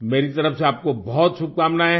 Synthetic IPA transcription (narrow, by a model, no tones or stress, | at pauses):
meːɾit̪ɐɾəfseaːp̚kobɔɦɔt̪ʃʊb̚kaːmnae